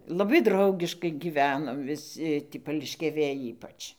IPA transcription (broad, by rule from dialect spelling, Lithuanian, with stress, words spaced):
lˠɐˈbɐɪ ˈdrɐʊɡʲɪʃkɐɪ ɡʲiːˈʋʲæːnoːm ʋʲɪˈsʲɪ tʲiː pɐlʲɪʃʲkʲɛˈʋʲeːj ˈiːpɐt͡ʃ